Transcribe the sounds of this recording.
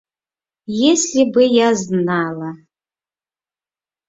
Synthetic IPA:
jeslʲibɨjaznaːlɐ

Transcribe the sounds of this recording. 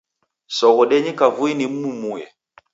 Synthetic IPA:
sɔɣɔɗɛɲɛkavuinim̩umujɛ̰

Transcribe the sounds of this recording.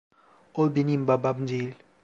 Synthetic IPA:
obinimbababnd͡ʒil

